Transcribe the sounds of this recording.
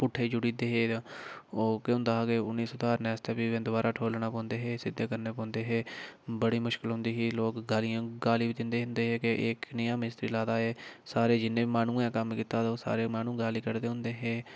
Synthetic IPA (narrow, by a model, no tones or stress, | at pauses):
pʊʈʰːeːd͡ʒʊɽiːd̪eːɦeː | oːkeʊ̃nd̪aːɦaːɡeʊnːiːsot̪aːɾnɛːst̪eːpiːʋẽːd̪ʊbaːɾʔaːʈʰoːlnaːpɔ̃ːnd̪eːɦeːsɪd̪ːeːkəɾneːpɔ̃ːnd̪eːɦeːbəɽiːmʊʃkɪlɦʊ̃nd̪iːɦiːloːkɡaːlijãːɡaːliːbiːd̪ɪnd̪eːɦʊ̃nd̪eːɦeːkeʔːknəjãːmɪst̪ɾiːlaːd̪aːɦeːsaːɾeːd͡ʒɪnːẽːiːmaːnũːɛ̃ːkəmkiːt̪aːt̪oːsa̰ːɾeːmaːnũːɡaːliːkəɾd̪eːɦʊ̃nd̪eːɦeː